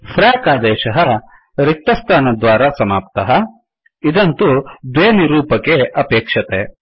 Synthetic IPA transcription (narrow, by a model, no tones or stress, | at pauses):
pʰɾaːkaːd̪ɛːʃɐɦɐ | ɾik̚t̪ɐst̪ʰaːnɐd̪ʋaːɾasɐmaːp̚t̪ɐɦɐ | id̪ɐnt̪ud̪ʋeːniɾuːpɐkeʔɐpeːkʂɐt̪e